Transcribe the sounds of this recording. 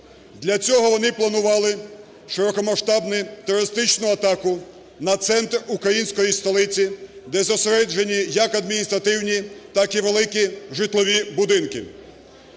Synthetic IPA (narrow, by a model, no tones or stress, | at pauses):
d̪lʲɐt͡sʲɔɦɔʋɔnɪplˠɐnʊʋɑlˠɪ | ʃɪɾɔkɔmɐʃt̪ɑbnɪt̪ɔɾɔɾɪst̪ɪt͡ʃnʊɐt̪ɑkʊ | nɐt̪sɛnt̪rukɾɐjinʲsʲkɔjist̪ɔlˠɪt͡sʲid̪ɛzɔseɾɛd͡ʒenʲijɐkɐd̪mʲinʲist̪ɾɐt̪ɪwnʲit̪ɑkiʋelˠɪkiʒɪt̪lˠɔʋʲibʊd̪ɪnkɪ